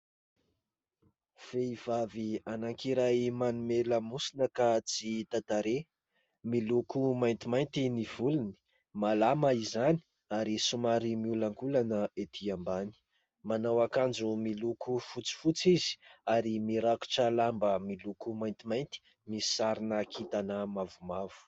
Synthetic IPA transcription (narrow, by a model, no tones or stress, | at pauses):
v̥eiv̥avianaŋkiɾajmanumeləmusinəkat͡sit̪at̪aɾe | milukumajnt̪imajnt̪iniv̥uluni̥ | malamaizani̥ | aɾisumaɾimiulaŋkulanəet̪ʰiambani̥ | manawakand͡ʒumilukufut͡si̥fut͡sizi̥aɾimiɾaku̥ʈ͡ʂəlambəmilukumajnt̪imajnt̪i̥ | misi̥saɾinakʰit̪anəmavumavu̥